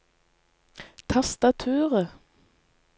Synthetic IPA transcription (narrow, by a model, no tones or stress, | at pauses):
t̪ʰɑst̪ɑt̪ʰʉːʁə